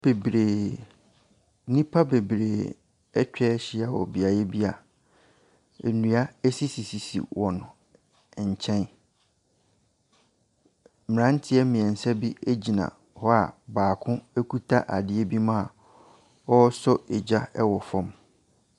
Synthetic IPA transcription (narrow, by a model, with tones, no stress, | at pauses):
b̥e˨bɾe˨˦ | nĩ˦pʰa˦be˨bɾe˨ | ɛ˦t͡ɕᶣɛ˦ɕɪ˦a˨wɔ̰˨bi˨a˨jɛ˦bi˦a˨ | e˨nũ˨a˦e˦si˦si˨si˨sḭ˨wɔ˨nʊ̃˨ | ɲ̩˨t͡ɕʰɛ̃˦n | mɪ˨ã˦n˦tʰɪ˦ɛ˦mɪ̃˨ɛ̃˨n̩˨sa˦bi˦e˦d͡ʑi˨nã̰˨ | hɔ˦a̰˨baː˨kʰʊ̃˦e˦kʰu˦tʰa˦ʔa˨dɪ˦e˦bi˦mã˦a˨ | ɔ˦sɔ˦e˨d͡ʑa˦ɛ˦wɔ˨fɔ̃˦m